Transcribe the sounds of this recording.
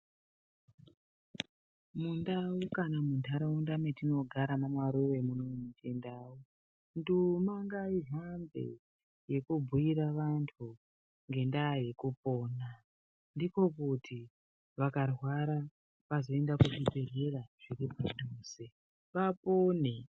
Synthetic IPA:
mundaukanamundʰʱaɾaundametino̞ɡʱaɾamamwaɾuʋe̞munomemutendau | ndumaŋɡaiɦambḛ | je̞kubʱuiɾaʋantʰu | ŋɡe̞ndaje̞kupo̞ːna | ndiko̞kutʰi | ʋakarwaɾa | ʋazo̞e̞ndakuʐipereraʐ̥iripamuse | ʋapoːne

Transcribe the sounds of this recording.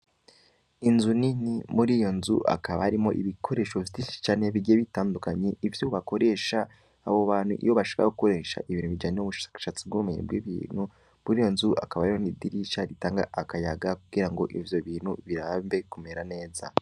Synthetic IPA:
inzuninimuɾijo̞nzṵʔa̰kaβaaɾimo̞ʔiβikʰo̞ɾe̞ːʃovitiʃi̥t͡ʃaːne̞βiɡijeβitaːndukaɲeivjuβako̞ɾe̞ʃaː | βo̞βaːn̥hṵʔḭjo̞βaʃḁka̰okuko̞ɾe̞ʃa̰ʔiβiːnhuβid͡ʒaɲijoβuʃʃat͡sibɡumeɲḛbɡwiβḭn̥hu | muɾiːjo̞nzua̰kaβahaɾimonidiɾiʃaɾitaːŋɡaʔakajaɡakuɡiɾaŋɡo̞ʔivjo̞βiːnhṵβiɾaːmve̞ikumeɾane̞ːza̰

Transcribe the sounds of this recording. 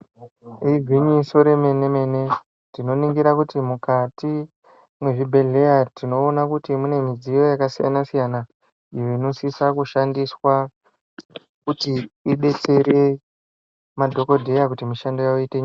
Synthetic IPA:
iɡʱiɲiso̞ɾe̞me̞ne̞me̞ne̞ | tino̞niŋɡiɾakutimukati | mwe̞ʐibʱe̞ɮe̞jatino̞ːnakutimune̞mid͡zijo̞jakasija̰nasijana | ijo̞ino̞sisakuʃandiswa | kutiːɓe̞t͡se̞ɾe̞ | madʱo̞ko̞dʱe̞jakutimiʃandojaoiteɲa

